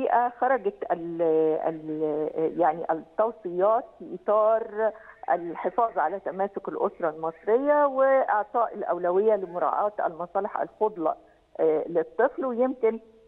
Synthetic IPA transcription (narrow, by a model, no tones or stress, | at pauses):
iːʔæxɑɾˤɑɡæt̪ælæ̰l | jaʕniʔæt̪ːɑwsˤɨjɑːt̪fiʔit̪ˤɑːɾˤʔæ̰lħefɑːðˤʕalæt̪æmæːsokælʔosɾˤɑlmɑsˤɾejːawɪʔɑʕt̪ˤɑːʔɪlʔæ̰wlæwɪjːælɪmʊɾˤɑ̰ːʕɑːt̪ʔæ̰lmɑsˤɑːleħæ̰lfod̪ˤlɑ̰ | let̪ˤːɨflwejemkɪn